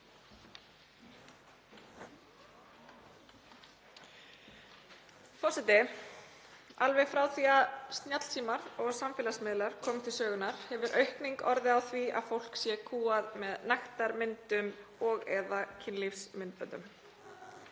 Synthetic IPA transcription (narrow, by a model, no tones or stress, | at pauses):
fɔsɛt̪ɪ | alvɛɣfɾaːwθiaðst̪njat̪l̥sʰiːmaɾɔɣsamfɪːlasmɪðlaɾ̥kʰɔːmɪ̥t̪ʰɪlsœːɣʏnaɾ̥hɛvʏɾʔœɥhkniŋkɔɾðɪawθvia̰ðfowl̥ksjɛkʰuːaðmɛðnajxt̪aɾmɪnt̪ʏmɔɣɛðacʰɪnlifsmɪnt̪̚pœ̰nt̪ʏm